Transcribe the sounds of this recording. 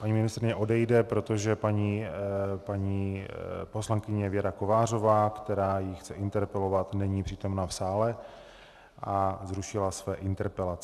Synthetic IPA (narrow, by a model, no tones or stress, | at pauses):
paɲiːmɪnɪst̪ɾɪɲɛʔo̞dɛjdɛpɾo̞t̪o̞ʒɛpaɲiːpaɲiːpo̞slaŋkɪɲɛvjɛɾako̞vaːr̝o̞vaːkt̪ɛɾaːjɪxt͡sɛʔɪnt̪ɛɾpɛlo̞vat̪nɛɲiːpr̥iːt̪o̞mnaːfsaːlɛ | ʔazɾuʃɪlasvɛːʔɪnt̪ɛɾpɛlat͡sɛ